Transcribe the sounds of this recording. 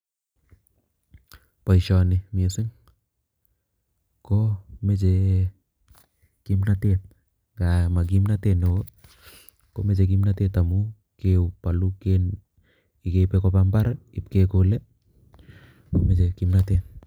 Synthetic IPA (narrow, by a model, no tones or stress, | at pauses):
paisɔnimiesiŋ | komet͡ʃe | kimnatet̪̚ | ɡamaɡimnat̪eneo | komet͡ʃ̬ek̬imnat̪et̪amu | kewpaluken | ikepekopampaɾip̚kekole | komet͡ʃekimnat̪et̚